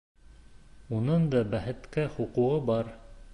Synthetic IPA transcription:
unɤɴd̪ɑbæhɘ̆t̪kæχuquʁɤbɑɾ

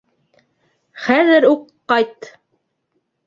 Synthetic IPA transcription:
χæðɘɾuqːɑjt̪

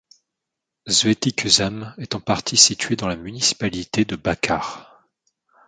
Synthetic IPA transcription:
zvet̪ikyzamɛt̪ɑ̃paʁt̪ʰisit̪ɥed̪ɑ̃lamynisi̥palit̪ed̪əbakʰaːʁ

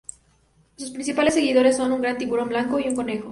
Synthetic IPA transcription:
suspɾins̬ipalesːe̞ɣið̞o̞ɾesːo̞nuŋɡɾant̪̬imβuɾo̞mblaŋko̞iuŋko̞ne̞xo

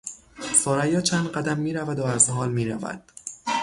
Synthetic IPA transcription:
soːɾæjɒːt͡ʃʰænd̪ɢæd̪æmːiːɾævæd̪oæzɦɒːlmiːɾæ̰væ̰d̪̥

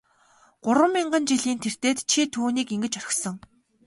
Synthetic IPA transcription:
ɢ̥ʊɾwə̆mːiɴɢə̆nt͡ɕiɮiːnt̪ʰer̥t̪eːt̪t͡ɕʰit̪ʰuːniːkiŋɡɘ̆t͡ɕœɾʲɪ̆xsɞ̆ŋ

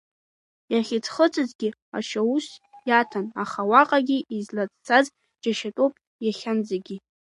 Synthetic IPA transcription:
jaχʲit͡sʰχət͡sʰʼɨzɡʲi | a̰ʃausjatʰanaχawaqʼaɡʲiʔizlat͡st͡sʰaz | d͡ʒaʃatʼowpʼ | jaχʲand͡zaɡʲi

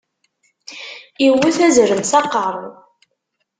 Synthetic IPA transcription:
iwːiθæzɾəmsɑqəɾˤ

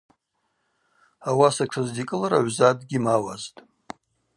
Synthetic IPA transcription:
awasakʷʂʰazdikʼɨlaɾa̰ʕʷzadɡʲimawaztʼ

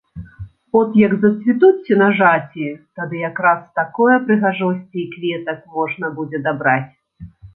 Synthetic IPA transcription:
ɔt̪jɐɡzɐsʲvʲit̪ut͡sʲːinɐʐat͡sʲit̪ad̪ɨjakɾast̪akɔjɛpɾɨɣaʐɔsʲt͡sʲiikvʲɛt̪ɐkmɔʐnɐbud͡zʲɛd̪abɾat͡sʲ

